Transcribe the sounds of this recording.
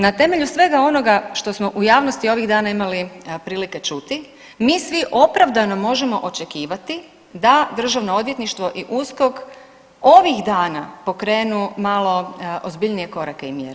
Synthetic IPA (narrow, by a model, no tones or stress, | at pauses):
nat̪e̞me̞ʎusʋe̞ɡao̞no̞ɡaʃt̪o̞smo̞ʔujaːʋnost̪io̞ʋiɣd̪aːnaimalipɾiːlike̞t͡ʃut̪i | miːsʋiʔo̞pɾaʋd̪ano̞mo̞ʒe̞mo̞ʔo̞t͡ʃe̞kiːʋat̪i | d̪ad̪r̩ʒaʋnoo̞d̪ʋje̞t̪niʃt̪ʋo̞ʔiʔusko̞k | o̞ʋixd̪aːnapo̞kɾe̞ːnumaːlo̞ʔozbiʎnije̞ko̞ɾake̞imjḛɾe